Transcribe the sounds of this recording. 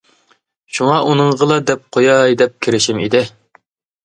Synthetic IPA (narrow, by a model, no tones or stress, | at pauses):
ʃuŋɑʔunɨŋʁəlˠɑd̪ɛp̚qʰojɑjd̪ɛp̚kʲʰeɾɪʃimḭd̪ɪ